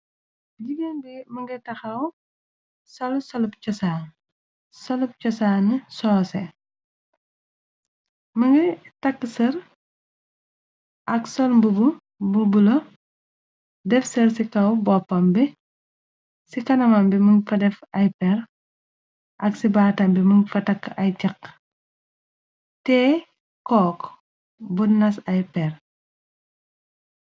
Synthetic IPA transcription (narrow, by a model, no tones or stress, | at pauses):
ɟiɡenbimɐŋɡɐtɐxɐw | sɐlsɐlɐp̚t͡ʃɔsaːn | sɐlup̚t͡ʃɔsaːnisɔːsɛ | mɐŋɡɐtɐkːəsɐɾ | ʔɐksɔlmbubu | bubulɐ | dɛfsɐɾsikɐwbɔpːɐmbi | sikɐnɐmɐmbiməŋfɐdɛfɐjpɛɾ | ʔɐksibaːtɐmbiməŋfɐtɐkːʔɐjcɐk | tɛː | kɔːk | bunːɐsɐjpɛr